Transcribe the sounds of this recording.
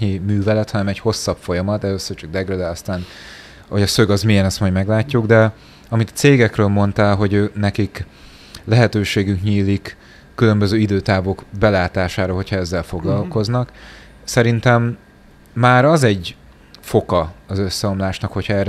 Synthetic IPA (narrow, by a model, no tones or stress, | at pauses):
ɲimyːvɛlɛt̪hɒnɛmɛcho̞sːɒpfo̞jɒmɒt̪ɛløːsøːrt͡ʃɒɡ̚d̪ɛɡrød̪ɛɒst̪aːn | ho̞ɟɒsø̞ɡɒzmijɛnɒst̪mɒɟmɛɡlaːcːuɡd̪ɛ | ɒmit̪ɒ̥t̪seːɡɛkrøːlmo̞nt̪aːlɦo̞ɟøːnɛkik | lɛɦɛt̪øːʃeːɡyŋkɲiːlikː | ylø̞mbøzøːid̪øːt̪aːvokbɛlaːt̪aːʃaːɾoːɦo̞cʰhɒɛzːɛlfo̞ɡlɒlko̞znɒk | sɛɾint̪ɛmː | aːɾɒzɛɟ | fo̞kɒɒzøsːɛo̞mlaːʃnɒkho̞cʰhɒɛːr